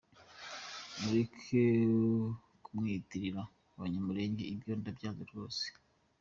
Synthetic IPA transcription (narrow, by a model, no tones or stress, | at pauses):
muɾekʰe | kumŋiːtiɾiɾa | uwaɲamuɾe̞ːɲɟe̞ibjo̞ːndabjaːzoɾɡo̞ːse̥